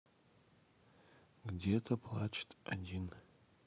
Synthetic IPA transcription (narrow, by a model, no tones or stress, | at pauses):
ɡdʲetʰɐpʰlˠat͡ʃʰʼtʼa̰dʲin